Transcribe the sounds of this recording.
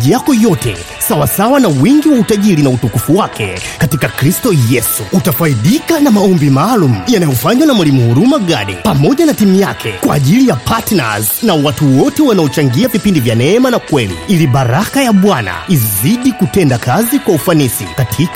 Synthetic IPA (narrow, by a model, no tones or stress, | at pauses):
ijakɔjɔtɛ̰ | sawasawanawiŋɡiwautaʄilinautukufuwakʰɛkatikakɾistɔjɛsuutafaiɗikanamaɔmbimaːlum̩janajɔfaɲwanamwalimuhuɾumaɠaɗḭpamɔʄanatimujakʰɛkwa̰ːʄilijapatna̰znawatuwɔtɛwanaɔt͡ʃaŋɡiavipindivjanɛmanakwɛlḭiliɓaɾakajaɓwana̰iziɗikutɛndakazikwaufanisḭkatʰik